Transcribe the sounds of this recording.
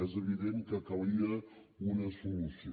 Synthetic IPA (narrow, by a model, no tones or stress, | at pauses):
ɛzəβiðeŋkəkaɾiə | unəsulusi